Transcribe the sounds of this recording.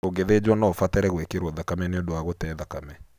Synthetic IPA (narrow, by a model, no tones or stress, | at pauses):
oɡeðed͡ʒwɔnɔfatɛɾɛɣwekeɾwɔðakamɛneodoaɣotɛðakamɛ